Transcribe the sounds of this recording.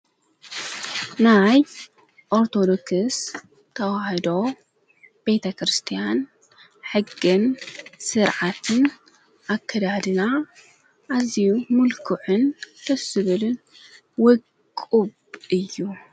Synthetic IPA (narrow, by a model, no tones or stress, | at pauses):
naj | ʔoɾt̪ʰo̞d̪o̞kɨs | t̪ʰɐwaħɐd̪o̞ | b̥et̪ʰɐkɾɨst̪ʰijan | ħɨɡːɨnsɨɾʕat̪ʰɨn | ʔakʰːɐd̪ad̪ɨna | ʔazijumʊlkʰuħɨnt̪ʰɐsɨβɨlɨn | wɔkʼ | uβʔɨjːu